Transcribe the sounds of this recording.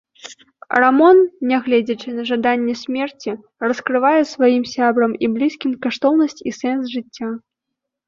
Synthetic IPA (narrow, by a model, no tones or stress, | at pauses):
ramɔnnːʲɛɣlʲɛd͡zʲɐt͡ʂɨnɐʐad̪anʲːɛsʲmʲɛrt͡sʲi | rɐskɾɨvajɛsvajimsʲabɾɐmiblʲiskʲimkaʂt̪ɔwnɐsʲt͡sʲisɛns̬ʐɨt͡sʲːa